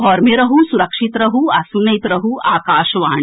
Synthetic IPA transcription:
ɔːɾmeɾɐɦũsuɾɐkʃit̪ɾɐɦuasunɐjt̪ɾɐɦuʔaːkaːʃʋaːɳ

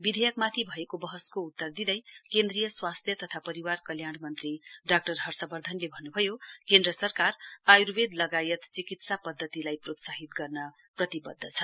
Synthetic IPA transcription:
bid̪ʱejʌkmat̪ʰibʱʌekobʌɦʌskout̪ːʌrd̪id̪ʌjkend̪rijʌswast̪ʰjʌt̪ʌt̪ʰapʌɾiwarkʌljaɽ̃mʌnt̪riɖak̚ʈʌrɦʌrsʌbʌrd̪ʱʌnlebʱʌnːubʱʌjokend̪rʌsʌrkarajɾubed̪lʌɡajʌt̪t͡sikit̪sapʌd̪ʱːʌt̪ilajprot̪saɦit̪ɡʌrnʌ | prʌt̪ibʌ̰d̪ʱːʌt͡sʰʌ

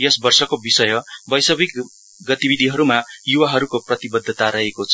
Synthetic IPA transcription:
jʌsbʌrsʌkobisʌjʌbʌjsʌbik | ɡʌt̪ibid̪ʱiɦʌɾumajuwaɦʌɾukoprʌt̪ibʌd̪ʱːʌt̪aɾʌɦekot͡sʰ

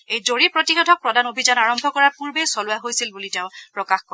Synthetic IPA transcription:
ejzoɹipɹotixɔdʱɔk̚pɹɔdanobʱizanaɹɔmbʱɔkɔɹapuɹbejsɔlʊaɦojsilbuliteʊ̃pɹɔkaxkɔɹɛ

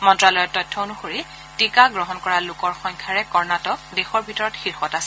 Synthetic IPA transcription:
mɔntɹalɔjɔtːɔjtʰːɔonuxoɹi | tikaɡɹɔɦɔnkɔɹalʊkɔɹxɔŋkʰaɹɛkɔɹnatɔk̚dexɔɹbʱitɔɹɔtxiɹxɔtasɛ

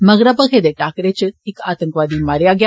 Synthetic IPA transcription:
məɡɾapəkʰed̪eʈakɾet͡ɕeikat̪əŋkʋad̪iːmaɾjaɡja

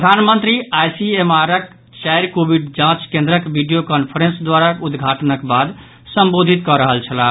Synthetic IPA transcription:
pɾɾəd̪ʱanmənt̪ɾiajsiemaɾək | t͡ʃajɾkobiɖd͡ʒãt͡ʃkẽnd̪ɾəkbiɖijokɔnpʰəɾẽnsd̪waɾakud̪ɡʱaʈnəkbad̪ | səmbod̪ʱit̪kɔɾəɦəlt͡ʃʰəla

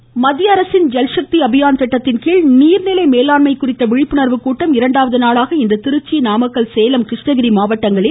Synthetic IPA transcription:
mɐðjɐɐɾɐsɪnd͡ʒɛlʂɐk̚t̪iɐbɪjaːnt̪ɛʈːɐt̪ːɪnkiːɭniːɾnɪlɐɪmeːlaːnmɐɪkːʊrɪt̪ːɐʋɪɻɪpːɯnɐɾʋɯkːuːʈːɐmɪɾɐɳɖaːʋɐðɯnaːɭaːɣɐɪnd̪ɐt̪ɪɾɯt͡ʃːinaːmɐkːɐɭsɛjɐlɐmkɾɪʂʈɐɣɪɾimaːʋɐʈːɐŋɡɐɭɪ

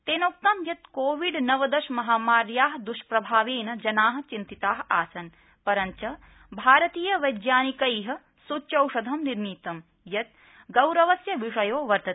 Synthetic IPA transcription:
t̪eːnoːk̚t̪ɐmjɐt̪koːʋiɖnɐʋɐd̪ɐʃmɐɦaːmaːɾjaːɦɐd̪uʃpɾɐbʱaːʋeːnɐd͡ʒɐnaːɦɐ̆t͡ʃint̪it̪aːɦaːsɐn | pɐɾɐnt͡ʃɐ | bʱaːɾɐt̪iːjɐʋɐjd̪jaːnikɐjɦɐ̆ | sut͡ʃɐwʂɐd̪ʱɐmniɾmiːt̪ɐm | jɐt̪̚ | ɡɐwɾɐʋɐsjɐʋiʂɐjoːʋɐɾt̪ɐt̪

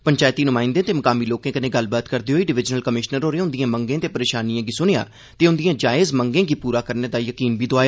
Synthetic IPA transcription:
pəɲt͡ʃaːjt̪iːnʊmãːɪ̃nd̪ẽːt̪eːməkaːmiːloːkẽːkənẽːɡəlbaːt̪kəɾd̪eːɦoːiːɖɪʋɪd͡ʒnəlkəmɪʃnəɾɦoːɾeːʊ̃nd̪ɪjãːməŋɡẽːt̪eːpəɾeːʃaːnijãːɡiːsʊneja̰ː | t̪eːʊ̃nd̪ɪjãːd͡ʒaːɪzməŋɡẽːɡiːpuːɾaːkəɾneːd̪aːjəkiːnbiːd̪oaːjaː

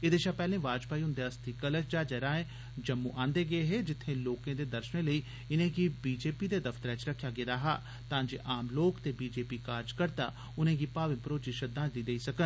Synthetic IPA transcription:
eːd̪eːʃaːpɛːlẽːʋaːd͡ʒpaːiːɦʊ̃nd̪eːəst̪ʰiːkələʃd͡ʒaːd͡ʒɛːɾãːẽː | d͡ʒəmːuːʔãːnd̪eːɡəeɦeːd͡ʒɪt̪ʰːẽːloːkẽːd̪eːd̪əɾʃənẽːləiː | ɪnẽːɡiːbiːd͡ʒeːpiːd̪eːd̪əft̪əɾɛːt͡ʃɾəkʰːjaːɡeːd̪aːɦa̰ː | t̪ãːd͡ʒḛːʔaːmloːkt̪eːbiːd͡ʒeːpiːkaːɾd͡ʒkəɾt̪a̰ː | ʊnẽːɡiːpaːʋɪ̃mpɾoːt͡ʃiʃəd̪ãːd̪iːd̪eiːsəkən

